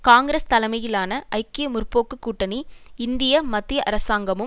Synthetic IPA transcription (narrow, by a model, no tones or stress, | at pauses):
kaːŋɡɾɐst̪ɐlɐmɐjɪlaːnɐʔɐɪkːeːmʊɾpoːkːɯkːuːʈːɐniɪnd̪ɪjɐmɐt̪ːɪjɐʔɐɾɐsaːŋɡɐmɯ